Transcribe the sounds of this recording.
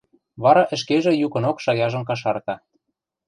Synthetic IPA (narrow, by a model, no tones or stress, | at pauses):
βɑɾɑʔə̆ʃkeʒĕjukɤ̆nokʃɑjɑʒɤ̆mkɑʃ̬ɑrt̪ɑ